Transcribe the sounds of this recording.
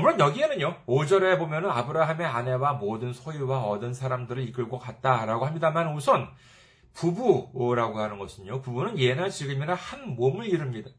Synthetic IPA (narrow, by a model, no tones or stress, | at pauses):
mɯɾʌnjʌɡie̞nɯɲood͡ʑʌɾe̞bomjʌnɯnabʰɯɾaɦame̞ane̞wamodɯnsʰojuwaʌdɯnsʰaɾamdɯɾɯɭik͈ɯɭɡʌkat̚t͈aɾaɡoɦamɲidamanusʰʌn | pubuɾaɡohanɯnɡʌsʰɯɲokubunɯnje̞naɭt͡ɕiɡɯminahanmomɯɭiɾɯmɲida